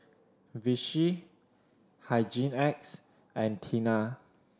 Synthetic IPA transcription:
viʃi | haɪd͡ʒĩnɛk̚s | ʔɛ̃ntʰina

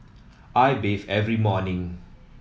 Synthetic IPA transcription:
ʔajbevɛvɹimɔnĩŋ

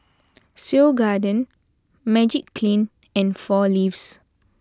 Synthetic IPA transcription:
silɡadə̃n | mɛd͡ʒikːlĩn | ɛ̃nfɔlifs

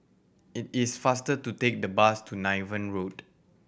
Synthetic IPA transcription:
it̚isfastətutek̚dəbastʰunaɪvə̃nɹot

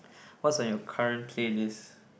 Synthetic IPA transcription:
wɔtsajɔkʰaɹɛ̃ntʰlelis

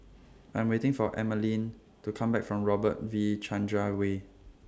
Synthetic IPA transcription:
ãj̃mwetɪ̃ŋfɔʔɛ̰məlĩn | tukʰãmbɛkfɹɔ̃mɹɔbət̚vit͡ʃʰãnd͡ʒɹawe

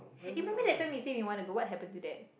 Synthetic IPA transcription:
imɛ̃mbə̃ndɛt̚ãj̃mjisẽwiwɔ̃nuɡowɔt̚ɦɛpə̃ntudɛt̚

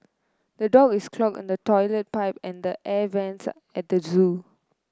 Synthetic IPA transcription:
d̪̥ədɔɡɪskʰlɔk̚ɪ̰̃ndətɔɪlət̚paɪpɛ̃nd̪əʔɛvɛ̃ns | ɛt̚d̪əzu

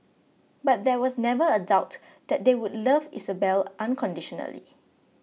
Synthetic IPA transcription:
bat̚dɛwɔsnɛvəədaʊt | d̥ɛt̚dewʊdləvisəbɛlʔãnkʰɔ̃ndiʃɔnə̰lḭ

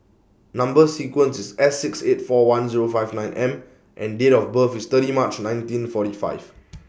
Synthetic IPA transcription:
nãmbəsikwə̃nsisɛsːiksetfɔwãnziɹofajvnãj̃nʔɛ̃m | ʔɛ̃ndeɾɔfbəfist̪əɾimat͡ʃnãjntĩnfɔtifa̰ɪv

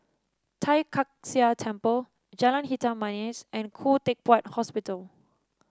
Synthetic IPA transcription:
tʰajkʰak̚siatʰɛ̃mpəl | d͡ʒɛlə̃nhitãmanisɛ̃nkʰutek̚pathɔspitəl

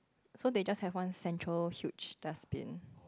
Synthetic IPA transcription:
soded͡ʒashɛvwãnsɛ̃ntʰɹəlhjut͡ʃd̥aspḭ̃n

